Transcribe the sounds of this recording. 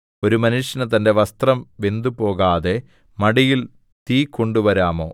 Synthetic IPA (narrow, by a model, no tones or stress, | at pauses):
o̞ɾumɐnuʂjɐnɐt̪ɐnde̞ʋɐst̪rɐmʋe̞nd̪upo̞ːɣaːðe̞ | mɐɽijil | t̪iːkːo̞ɳɖuʋɐɾaːmo̞̰ː